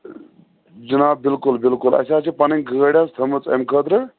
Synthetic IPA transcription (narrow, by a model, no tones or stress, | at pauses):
d͡ʒunaːb̚bilkulbilkulɐ̰saːt͡ʃipɐnɐŋɡəəɽʲast̪ʰəmɨt͡sḛmkʰət̪ɾɨ